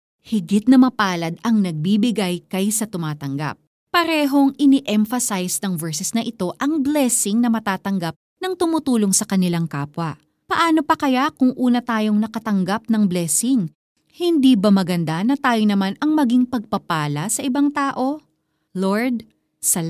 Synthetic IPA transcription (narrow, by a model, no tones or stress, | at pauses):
hɪɡɪt̪̚nɐmɐpaːlɐd̪ɐŋnɐɡ̚bibɪɡajkɐjsɐt̪ʊmaːt̪ɐŋɡa̰p̚ːɐɾɛːɦo̞ŋʔɪniʔɛɱfɐsajsnɐŋvɛɹsɛsnɐʔɪt̪o̞ʔɐŋblɛsɪŋnɐmɐt̪aːt̪ɐŋɡap̚nɐŋt̪ʊmʊt̪uːlo̞ŋsɐkɐnɪlaŋkaːpwɐ | pɐʔaːno̞pɐkɐjakʊŋʔuːnɐt̪aːjo̞ŋnɐkɐt̪ɐŋɡap̚nɐŋblɛːsɪŋ | hɪnd̪iːbɐmɐɡɐnd̪anɐt̪aːjonɐmanɐŋmɐɡiŋpɐɡ̚pɐpaːlɐsɐʔɪbaŋt̪aːʔo̞ | loɹd̪̚ | sɐl